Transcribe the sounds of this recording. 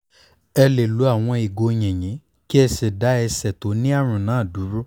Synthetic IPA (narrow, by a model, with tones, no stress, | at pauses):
ɛ˧le˨lu˨˦a˦˨w̃ɔ̃˧i˨ɡo˧j̃ɛ̃˨j̃ɛ̃˨˦ | ki˦ɛ˧se˨da˨˦ɛ˧sɛ˨to˨˦nĩ˦a˦˨ɾ̃ũ˨nãː˨˦˨du˨˦ɾu˦